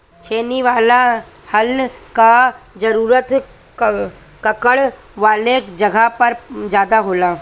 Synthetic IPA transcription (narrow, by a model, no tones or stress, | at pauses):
t͡ʃʰeːniʋaːla | hɐlkad͡ʒɐɾuːɾət̪ | kɐkəɽ | ʋaːled͡ʒɐɡʱapɐɾd͡ʒjaːd̪aɦoːlaː